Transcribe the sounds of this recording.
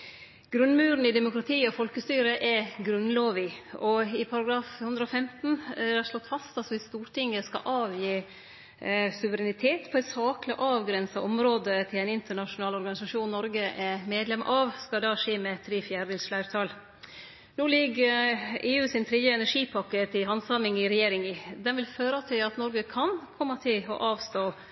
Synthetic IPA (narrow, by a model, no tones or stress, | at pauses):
ɡ̥ɾʉnmʉːɾn̩ɪd̪ɛmʊkɾɑt̪ʰiːɔfɔlkəst̪yːɾəʔɛɡɾʉnloːʋɪɔɪpʰɑɾɑɡɾɑːfhʉnd̪ɾəɔfɛmt̪n̩d̪æʂɭɔt̪ːfɑst̪ɑsʋɪst̪uːɾʈɪŋːəskɑ̰ʔɑːʋjiː | sʉʋəɾɛnɪt̪ʰeːt̪pʰɔɛt̪sɑːklɪʔɑːʋɡɾɛnsɑʔɔmɾoːd̪ət̪ʰɪlæɪnɪnt̪əɳɑʂʊnɑːlɔɾɡɑnɪsɑʂuːnnːɔɾɡəʔɛmeːd̪lɛmʔɑʋskɑd̪ɑːʂeːmɛt̪ʰɾiːfjæːɖɪlsflæɪɾt̪ʰɑl | nuːlɪɡəeːʉːsɪnt̪ʰɾɛd̪jəɛnæʂiːpʰɑkːət̪ɪɦɑnsɑmɪŋɪɾɛjeːɾɪŋɪd̪ɛnʋɪlføːɾɑt̪ʰɪlɑt̪nɔɾɡəkʰɑnkʰɔmːɑt̪ʰɪlɔ̰ʔɑːʋst̪oː